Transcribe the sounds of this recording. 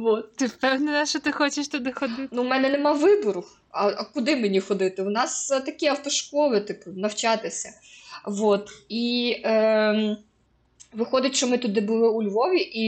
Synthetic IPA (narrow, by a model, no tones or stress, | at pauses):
ʋot̪t̪ɪpɛwnɪnɐʃɔt̪ɪxɔt͡ʃeʃt̪ʊd̪ɪxɔd̪ɪnumɛnɛnemɑʋɪbɔɾʊ | ɐkʊd̪ɪmenʲixɔd̪ɪt̪ɪʊnɑst̪ɐkʲiɐwt̪ɔʃkɔʋʲɪt̪ɐknɐwt͡ʃɑt̪ɪsʲɐ | ʋot̪i | ʋɪxɔd̪ɪtʲʃɔmɪt̪ʊd̪ɪbʊlˠɪʊlʲʋɔʋʲiʔi